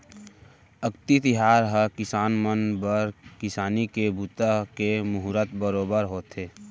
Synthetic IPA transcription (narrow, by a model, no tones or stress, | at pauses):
əkt̪it̪ɪɦaːɾɦəkɪsaːnmənbəɾkɪsaːnikebut̪akemʊɦʊɾət̪bəɾoːbəɾɦoːt̪eː